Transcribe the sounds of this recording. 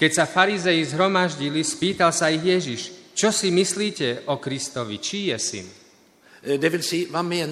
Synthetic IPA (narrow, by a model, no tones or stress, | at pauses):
kɛcsafaɾizɛjizɦɾɔmaʒɟilispiːt̪alsaiɣjɛʒiʃt͡ʃɔsimisliːcɛʔɔkɾist̪ɔʋḭt͡ʃijɛsḭn | d̪ɛvilsivamːɪɛ